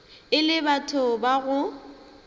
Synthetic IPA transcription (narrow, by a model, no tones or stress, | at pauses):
ɪlɪbatʰʊbaɣʊ